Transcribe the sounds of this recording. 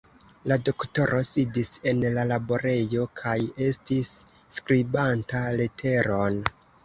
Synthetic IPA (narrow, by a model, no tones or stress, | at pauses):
lado̞kto̞ɾʔo̞sidise̞nlalabo̞ɾe̞jo̞kʰaje̞stisː | kɾibantale̞tʰe̞ɾo̞n